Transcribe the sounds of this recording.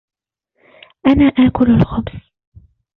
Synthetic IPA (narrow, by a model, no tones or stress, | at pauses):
ʔanaːʔaːkʊlalxʊbs